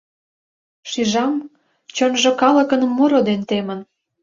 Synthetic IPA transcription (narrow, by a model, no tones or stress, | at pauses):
ʃiʒɑm | t͡ɕonʒŏkɑlə̆kə̆nmuɾod̪ent̪emən